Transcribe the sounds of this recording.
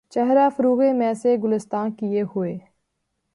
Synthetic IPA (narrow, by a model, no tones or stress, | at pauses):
t͡ʃəɦɾaːfʊɾuːɣemɛ̃ːseɡʊlɪst̪ãːkiehʊeː